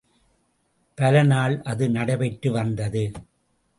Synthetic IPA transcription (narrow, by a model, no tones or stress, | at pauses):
pɐlɐnaːɭʔɐðɯnɐɽɐbɛʈːɯʋɐnd̪ɐðɯ